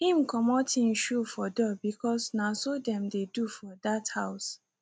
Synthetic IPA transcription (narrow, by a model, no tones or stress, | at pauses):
hĩmkɔmɔtʰĩnʃufɔdɔbikʰɔsnasodɛ̃mdedufɔdathaʊs